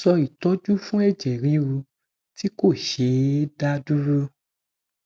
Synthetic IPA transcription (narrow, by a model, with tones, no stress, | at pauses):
sɔ˧i˨tɔ˨˦d͡ʒu˦fũ˦ɛ˦˨d͡ʒɛ˨ɾi˨˦wu˧ | ti˦ko˦˨ʃe˨˦da˦du˦ɾu˦